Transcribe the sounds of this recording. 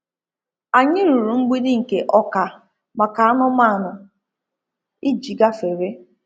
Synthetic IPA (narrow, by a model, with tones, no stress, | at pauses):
a˨ɲɪ˦ɾu˨ɾu˨ŋ͡m̩˦ɡ͡bi˦dɪ˦ŋ̩˨ke˨ʔɔ˦ka˨ | ma˨ka˨a˦nʊ˦ma˦˨nʊ˨ | i˦d͡ʒi˨ɡa˦fe˨ɾe˦